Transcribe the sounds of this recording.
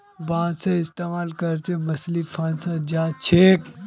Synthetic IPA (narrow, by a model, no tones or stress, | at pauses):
bãːsaɪst̪eːmaːlkɐɾt͡ʃemɐslipʰãːnsad͡ʒaːt͡ʃʰeːk